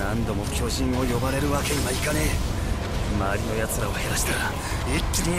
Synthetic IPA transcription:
nãnd̪o̞mo̞kʲo̞ʑĩɰ̃o̞jo̞baɾe̞ɾɯ̟βake̞imaikane | maːɾʲino̞jat͡sɨɾaohe̞ɾaɕi̥t̪aɾa | it̪ːɨnʲi

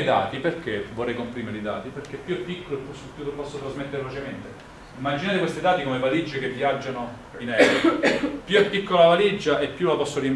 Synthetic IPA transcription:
jd̪aːt̪iperk̟evorːɛjkompɾimeɾeid̪a̰ːt̪iperk̟epːjuɛpːikːoloepːusupːjukelpɔsːot̪ɾazmet̪ːeɾelot͡ʃement̪e | imːad͡ʒinaːɾekwest̪id̪aːt̪ikomevalid͡ʒːekevːjad͡ʒːano | inɛːɾpjuɛpːikːolavalid͡ʒːaʔepːjulapɔsːoɾjem

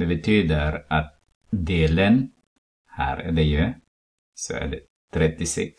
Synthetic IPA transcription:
d̪ɛbɛt̪ʰyːd̪əɾat̪̚ | d̪eːlən | hæ̰ːɾæ̰ɖɛjʉ | sɔ̰æ̰ːɖɛ | t̪ʰɾɛt̪ːɪsɛ̰ks

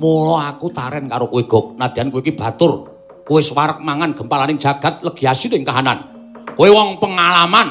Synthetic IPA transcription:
mulɔakut̪aɾɛnkaɾokueɡ̥ɔ̤k̚nad̪̥i̤ankuweikib̥ä̤t̪ʊr | kuesəwaɾək̚maŋanɡ̥ə̤mpalanɪŋ̥d͡ʒ̥a̤ɡ̥a̤t̪̚ləɡ̥iasinɪŋkaɦana̰n | kowewɔŋpəŋalaman

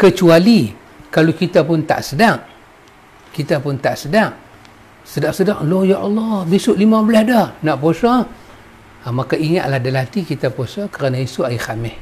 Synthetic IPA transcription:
kət͡ʃuali | kalukit̪apʊnt̪a̰ʔsədaŋ | kit̪apʊnt̪aʔsədaŋ | sədaʔsədaʔlojaʔɑlːɔhbisʊʔlimãbəlahdɔhnaʔposɔ | makaiŋa̰ʔ̪lahdəlat̪ikit̪aposɔkəɾanaisʊajixamɪh

